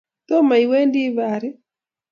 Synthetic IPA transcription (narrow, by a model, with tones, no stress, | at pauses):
t̪o˦ma˨i˨we˦ndi˦βa˨ɾɪ˦